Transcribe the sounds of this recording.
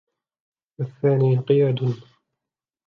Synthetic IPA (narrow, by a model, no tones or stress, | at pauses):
waθːaːniːqɨjaːd̪ʊn